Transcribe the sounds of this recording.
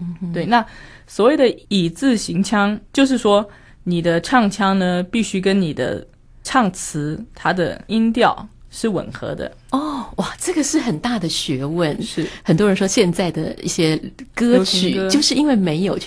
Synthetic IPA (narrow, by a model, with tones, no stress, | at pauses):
n̩˧t̪we˥˩ɪna˥˩ | swɔ˧˥we˥˩ɪd̪ə˩i˨˩t͡sɹ̩˥˩ɕi˧˥ŋt͡ɕʰjɑ˥ŋt͡ɕjo˥˧ʊʂ̬ɻ̩˥˩ʂwɔ˥ | ni˨˩d̪ə˦ʈ͡ʂʰɑ˥˩ŋt͡ɕʰjɑ˥ŋnə˧pi˥˩ɕy˥k̬ə˥nni˨˩d̪ə̰˦ | ʈ͡ʂʰɑ˥˩ŋt͡sʰɹ̩˧˥t̪ʰa˥d̪ə̰˨i˥nt̪jɑ˥˩ʊʂɻ̩˥˩wə̰˨˩nxɤ̰˧˥d̪ə̰˧ | ɔ˥˩wa˥˩ʈ͡ʂɤ˥˩ɡə˩ʂɻ̩˥˩xə˨˩nt̪a˥˩d̪ə˩ɕɥɛ˧˥wə˥˩nʂɻ̩˥˩xə˨˩nt̪wɔ˥ɻə˧˥nʂwɔ˥ɕjɛ˥˧nt͡sa˥˩ɪd̪ə˩ḭ˥˩ɕjɛ˥kɤ˥˧t͡ɕʰy˨˩t͡ɕjo˥˧ʊʂɻ̩˥˩i˥nwe˥˩ɪme˧˥ɪjo˨˩ʊ